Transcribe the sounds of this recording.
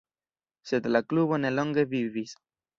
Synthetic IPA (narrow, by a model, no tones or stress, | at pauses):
sed̪elakluβoneloŋɡeβiβis